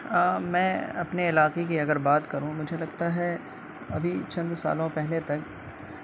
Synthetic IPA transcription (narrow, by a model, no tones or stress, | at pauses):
mɛ̃ːɐpneɪlaːqekiɐɡəɾbaːt̪kɐɾũmʊd͡ʒʱelɐɡt̪aɦɛ | ɐbʱit͡ʃɐ̃nd̪sa̰ːlõpɛɦlet̪ɐk